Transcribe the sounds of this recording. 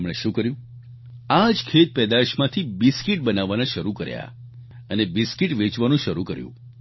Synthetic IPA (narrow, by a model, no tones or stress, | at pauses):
mɭeʃũkəɾjũ | ad͡ʒkʰet̪̚pɛd̪aʃmãt̪ʰibiskiʈ̚bənaʋːanãʃəɾukəɾja̰ | ənebiskiʈʋet͡ʃʋanũʃəɾukəɾjṵ̃